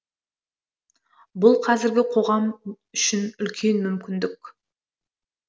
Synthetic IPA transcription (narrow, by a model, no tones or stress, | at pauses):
bʊlˠqʰɑzɪɾɡʲɪqʰo̞ʁɑm | ʏʃɪnʏlkʲʰe̞nmʏmkʲɪnd̪ɪkʲ